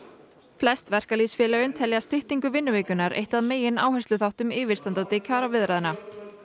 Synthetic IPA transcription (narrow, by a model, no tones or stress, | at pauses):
flɛst̪vɛr̥kaliːsfjɛːlœjʏnt̪ʰɛljast̪ɪht̪iŋkʏvɪnːʏviːkʏnaɾʔḛjht̪aðmeːjɪna̰ːwhɛslʏθawht̪ʏmɪːvɪɾ̥st̪ant̪at̪ɪcʰaːɾavɪðɾaðɪna